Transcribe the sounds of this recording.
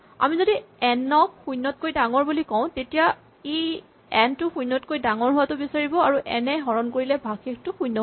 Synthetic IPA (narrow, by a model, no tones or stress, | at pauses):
a̰mizodiɛnɔk̚xujnːɔt̚kojdaŋɔɹbulikɔʊ̃tetija | i | ɛntʊxujnːɔtkojdaŋɔɹɦʊwatʊbisaɹibɔaɹuʔɛ̰nɛɦɔɹɔnkoɹilɛbʱakek̚tʊxujnːɔ